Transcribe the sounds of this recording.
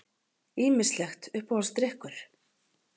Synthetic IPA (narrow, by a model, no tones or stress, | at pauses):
iːmɪ̥slɛxt̪ʏhphɔlst̪ɾɪhkʏɾ̥